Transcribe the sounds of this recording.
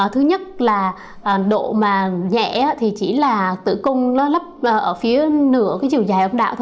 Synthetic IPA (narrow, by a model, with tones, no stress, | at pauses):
t̪ʰɨ˨˦ɲə˦˥t̚laː˨˩ | ʔːɗo̰˧˨maː˨˩ɲɛ̰˧˨aː˨˧˦t̪ʰi˨˩t͡ɕi˧˩laː˨˩t̪ɨ̰˧˩˨kʊ˧ŋ͡mnɔ˨˦lə˦˥p̚ʔʔəː˧˩fi˨˦ənɨ̰˧˩˥əkaː˨˦jzi˨˩əwzaː˨˩jʔə˧wŋ͡mɗa̰ː˧˨wt̪ʰ